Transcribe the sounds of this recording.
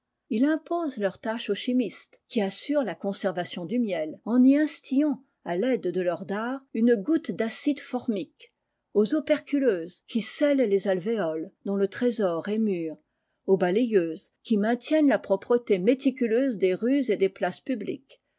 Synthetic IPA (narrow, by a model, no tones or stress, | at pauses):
ilɛ̃pozlœʁt̪aʃoʃimist̪kʲiasyʁlakɔ̃sɛʁvasjɔ̃d̪ymjɛlɑ̃niɛ̃st̪iɑ̃ | alɛd̪ːəlœʁd̪aːʁynɡut̪d̪asid̪fɔʁmik | ozopɛʁkʲyløːzkʲisɛllezalveɔld̪ɔ̃lət̪χezɔʁɛmyːʁ | obalejøːzkʲimɛ̃t̪jɛnlapχɔpχət̪emet̪ikʲyløzd̪eʁyzed̪eplaspyblḭk